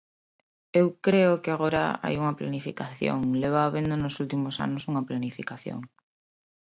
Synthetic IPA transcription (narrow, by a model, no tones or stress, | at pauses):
ewkɾeʊkɪaɣoɾa̰a̰juŋaplanifikaθjo̰ŋleβ̞aːβend̪onosult̪imosa̰nosuŋɐplanifikaθjo̰ŋ